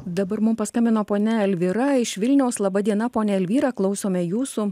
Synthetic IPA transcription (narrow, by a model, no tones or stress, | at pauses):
d̪ɐbɐɾmʊmpɐskɐmʲbʲɪnoːpoːnʲɛɛlʲʋʲɪɾɐɪʃʋʲɪlʲnʲɛʊslˠɐbɐd̪ʲiɛnɐpoːnʲɛɛlʲʋʲiːɾɑːklˠɐʊsʲoːmʲɛjuːsu